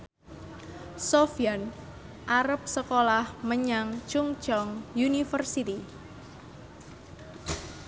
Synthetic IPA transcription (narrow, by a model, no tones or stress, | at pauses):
sofian | ʔaɾəp̚səkolahməɲaŋt͡ʃʊŋt͡ʃɔŋjunifərsit̪i